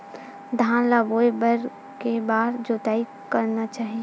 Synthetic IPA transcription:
d̪ʱãːlaːboːebəɾ | kebaːɾd͡ʒoːt̪aːi | kɐɾnat͡ʃaːɦie

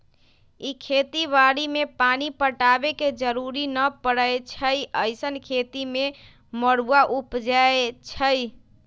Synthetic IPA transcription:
ikʰet̪iʋaɾimepanipəʈabeked͡ʒəɾuɾinəpəɽəjt͡ʃʰəjəɪsənkʰet̪ime | məɽuaʔupd͡ʒaet͡ʃʰəj

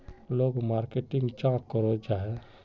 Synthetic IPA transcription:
loːɡmaːɾkeʈɪ̃ŋɡt͡ʃãːkːɔɾod͡ʒae

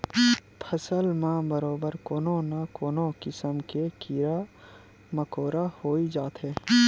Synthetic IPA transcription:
pʰəsəlmãbəɾoːbəɾkoːnõnakoːnõkɪsəmkekiɾa | məkoːɾahoːid͡ʒaːt̪ɦɛː

